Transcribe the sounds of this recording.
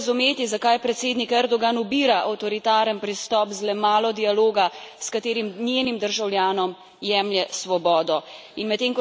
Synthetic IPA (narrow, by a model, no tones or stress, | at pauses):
zumeːt̪izakajpɾɛt̪seːd̪nikɛɾd̪ɔɡanubiːɾaʔawt̪ɔɾit̪aːɾənpɾist̪ɔpzlɛmaːlɔd̪ialoːɡaskat̪eːɾimnʲjeːnimd̪əɾʒawljaːnɔm | jɛmljɛsʋɔbɔːd̪ɔinmɛt̪ːeŋkɔ